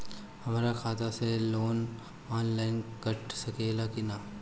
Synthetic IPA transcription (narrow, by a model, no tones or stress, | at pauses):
hɐmaːɾakʰaːt̪aseloːn | aːnlaːɪnkɐʈsɐkeːlakɪnaː